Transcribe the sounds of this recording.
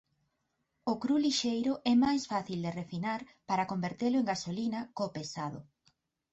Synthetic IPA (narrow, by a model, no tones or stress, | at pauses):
ʊkɾuliʃejɾʊʔɛmajsfaθild̪erefinaɾpaɾakombeɾt̪elʊeŋɡasolinɐkopesað̞ʊ̰